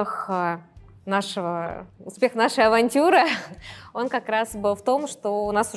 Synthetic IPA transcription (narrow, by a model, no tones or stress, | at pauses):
x | naʂəvəʊspʲe̞xnaʂɨjɐvɐnʲtʲuɾɨ | o̞nkɐkɾasbɨlˠft̪o̞mʂt̪oʊnasʊ